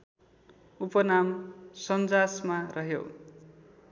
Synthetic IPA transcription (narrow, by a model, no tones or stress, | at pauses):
upʌnamsʌnd͡zasmarʌɦjo̰